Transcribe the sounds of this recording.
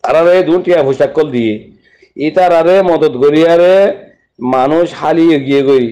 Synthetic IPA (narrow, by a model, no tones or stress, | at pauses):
t̪aɾaɾed̪unʈijabʰʱuʃakːɔld̪ije | it̪aɾaɾemɔd̪ɔd̪ɡoɾijaɾe | manuʃhalieɡijeɡoɾi